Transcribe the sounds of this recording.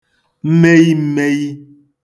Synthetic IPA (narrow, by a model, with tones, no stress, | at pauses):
m̩˦me˦ji˦m̩˦me˦ji˦